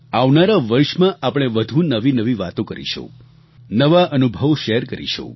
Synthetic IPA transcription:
aʋnaɾaʋəɾʃmãʔapɽ̃eʋəd̪ʱũnəʋinəʋiʋat̪õkəɾḭʃṵ̃ | nəʋaʔənubʱəʋʃeɾkəɾḭʃṵ̃

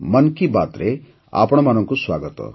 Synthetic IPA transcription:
mʌnkibat̪ɾe | a̰pɽ̃ɔmanɔŋkuswaɡɔt̪ɔ̰

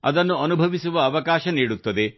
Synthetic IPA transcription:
ɐ̰d̪ɐnːuɐnubʱɐʋisuʋɐːʋɐkaːʃɐniːɽut̪ːɐd̪e̞

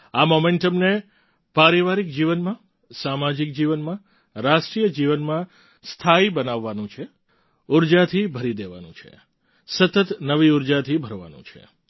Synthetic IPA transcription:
amomẽɳʈəmne | paɾiʋaɾik̚d͡ʒiʋənmã | samad͡ʒik̚d͡ʒiʋənmã | ɾaʃʈɾijəd͡ʒiʋənmã | st̪ʰaibənaʋːanũt͡ʃʰe | uɾd͡ʒat̪ʰibʱəɾid̪eʋa̰nṵ̃t͡ʃʰḛ | sət̪ət̪nəʋiuɾd͡ʒat̪ʰibʱəɾʋa̰nṵ̃t͡ʃʰḛ

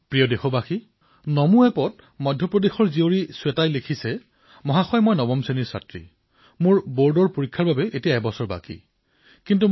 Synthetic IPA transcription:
pɹijɔdexɔbaxi | nɔmuɛpɔt̚ | mɔjdʱːɔpɹɔdexɔɹzioɹisʊɛtajlekʰisɛ | mɔɦaxɔjmɔjnɔbɔmseniɹsa̰tɹḭ | mʊɹboɹdɔɹpoɹikʰːaɹbabɛʔetijaɛbɔsɔɹba̰kḭ | kintu

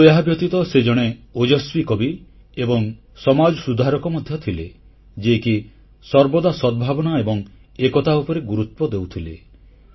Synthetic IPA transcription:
eɦabjɔt̪it̪ɔsed͡ʒɔɽ̃eod͡ʒɔswikɔbi | ebɔŋ | sɔmad͡ʒɔsud̪ʱaɾɔkɔmɔd̪ʱjɔt̪ʰile | d͡ʒeki | sɔɾbɔd̪asɔd̪̚bʱabɔnaebɔŋ | ekɔt̪aupɔɾeɡuɾut̪wɔd̪ewt̪ʰilḛ

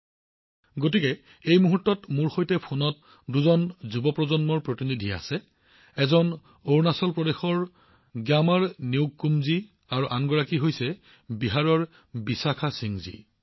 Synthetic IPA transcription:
ɡot̬ikɛ | ejmuɦutːɔtmuɹxojtɛpʰunɔt̚ | duzɔnzubɔpɹɔzɔnmɔɹpɹotinidʱia̰sɛ | ɛzɔn | oɹnasɔlpɹɔdexɔɹ | ɡjamaɹniwɡkːumzi | aɹuʔaŋɡɔɹakiɦojsɛ | biɦaɹɔɹ | bisakʰasiŋzḭ

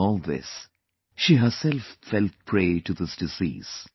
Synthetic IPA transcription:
ɔlˠðɪ̰s | ʃiɦə˞sɛlfːɛlˠt̚pʰɹeɪʈuðɪsd̥ɨzḭːz̥

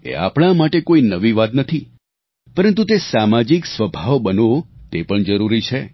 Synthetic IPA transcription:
ḛa̰pɳ̃amaʈekoinəʋiʋat̪nət̪ʰi | pəɾənt̪̬ut̪esamad͡ʒiksʋəbʱaʋbənot̪epəɳd͡ʒəɾuɾit͡ʃʰe

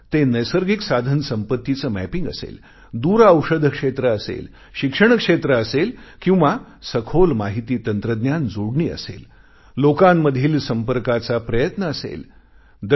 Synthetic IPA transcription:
t̪enəjsəɾɡiksad̪ʱənsəmpət̪ːit͡səmæpiŋɡə̰sḛl | d̪uːɾəwʂəd̪ʱəkʂet̪ɾəːsḛl | ɕikʂəɳ̃kʂet̪ɾəːselkĩw̃ʋa | səkʰolmaɦit̪iːt̪ənt̪ɾəd̪njand͡zoɽɳiːə̰sḛl | lokamːəd̪ʱiːlsəmpəɾkat͡sapɾəjət̪nəːsḛl | d̪

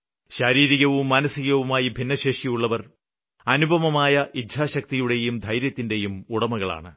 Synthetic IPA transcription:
ɕɐɾiːɾiɣɐʋumːɐnɐsiɣɐʋumaːjibʱinːɐɕeːʂijuɭːɐʋɐr | ɐnubʱɐʋɐmaːjɐʔid̪ʱaːɕɐk̚t̪ijuɽe̞jumd̪ʱɐjɾjɐt̪ːinde̞jumuɽɐmɐɣɐɭa̰ːɳɨ

